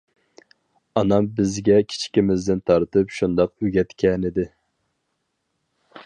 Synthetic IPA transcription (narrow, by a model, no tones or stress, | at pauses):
ɑnɑmbɪzɡʲɛkʲʰi̥t͡ʃʰkʲimɪzd̪ɪnt̪ʰɑɾt̪ɨpʃund̪ɑqyɡʲɛt̪kʲʰɛnɪd̪ɪ